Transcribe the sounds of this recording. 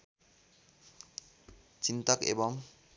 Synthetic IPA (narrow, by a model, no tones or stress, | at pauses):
t͡ɕint̪ɔkḛbɔŋ